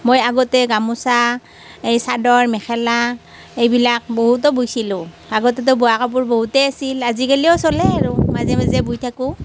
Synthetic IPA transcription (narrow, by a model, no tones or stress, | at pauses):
mojaɡɔtɛɡamusa | ejsadɔɹmɛxʰɛla | ejbilak̚boɦut̬ɔbujsilʊ̃ | aɡɔtɛt̬ɔbɔakɔp̬ʊɹboɦutɛasilazikaliɔsɔlɛaɹumazɛmazɛbujtʰakʊ